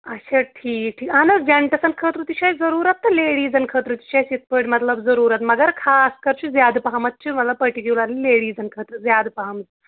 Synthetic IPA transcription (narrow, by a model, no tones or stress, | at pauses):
ɐɕeʈʰiːk̚ʈʰiːkanəsd͡ʑeɳʈəsɐnkʰət̪ɾut̪iɕajd͡zəɾuːɾat̪ːəleɽiːd͡zənkʰət̪ɾut̪i̥ɕajsit̪̚pəɽmət̪ləbd͡zəɾuːɾat̪məɡəɾkʰaskəɾt͡ɕid͡zjad̪paɦamɐt̪̚t͡ɕʰimət̪ləppəɾʈikjulaɾleɽiːd͡zənkʰət̪ɾud͡zjad̪paɦamt͡s